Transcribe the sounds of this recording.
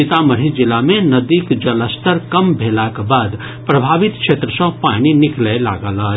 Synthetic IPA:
ɪt̪aməɾ̤id͡ʒɪlamẽnəd̪ikd͡ʒɐləst̪əɾkəmbʱelakbaːd̪ | pɾəbʱaːʋit̪kʃʰet̪ɾəsə̃paninɪklɛla̰ɡələ

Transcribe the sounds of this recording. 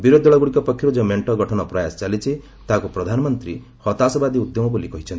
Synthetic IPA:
biɾod̪ɔɭɔɡuɽikɔpɔkʰːjɔɾud͡ʒemeɳʈɔɡɔʈʰɔnɔpɾɔjasɔ̥t͡ʃalit͡ʃʰi | t̪aɦkupɾɔd̪ʱanɔmɔnt̪ɾi | hɔt̪asɔbad̪iud̪jɔmɔbolikɔɦit͡ʃʰɔnt̪i̥

